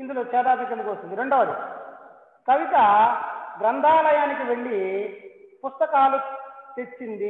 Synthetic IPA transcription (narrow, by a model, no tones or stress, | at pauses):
ind̪uloːt͡ʃɛːd̪aːd̪ɐkːɐnd̪ukʋɐst̪und̪iɾeɳɖoːɐd̪ḭ | kɐʋit̪ɐɡɾɐnd̪ʱaːlɐjaːnikiʋe̞ɭːi | pust̪ɐkaːlut̪e̞t͡ʃːind̪i